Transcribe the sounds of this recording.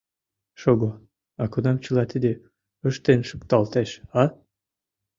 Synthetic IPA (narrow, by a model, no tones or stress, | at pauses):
ʃoɣo | ɑkonɑmt͡ɕəlɑt̪id̪e | əʃt̪enʃəkt̪ɑlt̪eʃɑ